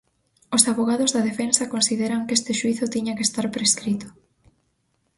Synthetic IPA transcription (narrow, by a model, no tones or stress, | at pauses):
osaβoɣaðʊzðɐðefensakonsið̞eɾaŋkest̪ɪʃuiθʊt̪iɲakest̪aɾpɾeskɾit̪ʊ̥